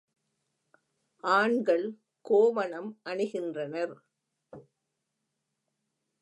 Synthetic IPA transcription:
ʔaːɳɡɐɭ | koːʋɐɳɐmʔɐɳɯɣɪndrɐnɐɾ

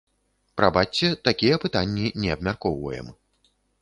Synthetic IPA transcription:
pɾabat̪t͡sʲːɛt̪akʲijɐpɨt̪anʲːinʲɛɐbmʲarkɔwvɐ̰jɛ̰m

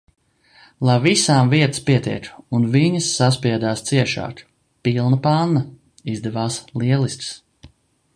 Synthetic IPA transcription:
lˠajvisaːmviɛt̪ə̥spiɛt̪ɛ̰kunviɲəsːaspiɛd̪aːst̪siɛʃa̰ːk | pilˠnɐpanːɐ | izd̪ɛvaːslˠiɛlˠist̪s

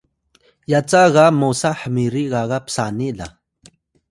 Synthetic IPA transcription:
jat͡saɣamosaħəmiɾiɣaɣapsaniɮa̰

